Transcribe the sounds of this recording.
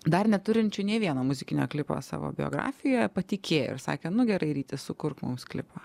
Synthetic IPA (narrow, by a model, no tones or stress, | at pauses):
d̪ɐrnʲɛt̪ʊɾʲɪnʲt͡ʃʲʊnʲeːʋʲiɛnoːmʊzʲɪkʲɪnʲoːklʲɪpo̰ːsɑ̰ːʋo̰bʲɪjo̰ːɡɾɑ̰ːfʲɪjoːjɛpɐt̪ʲɪkʲʰeːjo̰ɪ̰ɾsɑ̰ːkʲeːnʊɡʲɛɾɐɪɾʲiːt̪ʲɪssʊkʊɾkmʊ̰msklʲɪ̰pɐ